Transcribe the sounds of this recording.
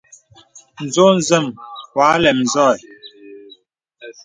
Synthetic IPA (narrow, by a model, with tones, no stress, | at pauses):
n̩˨zo˦n̩˨zə˦˨mwaː˨˦lɛ˨m˨zɔ˦˨j